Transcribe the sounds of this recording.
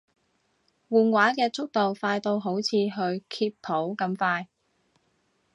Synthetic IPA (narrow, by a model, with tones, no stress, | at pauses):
wuː˨nwaː˨˥kɛː˧t͡sʊ˥k̚t̪o˨wfaː˧jt̪o˧wɦo˨˥wt͡sʰiː˨˧ɦɵ˧ɥkʰiː˧ppʰːo˨˥wkɐ˧mfaː˧j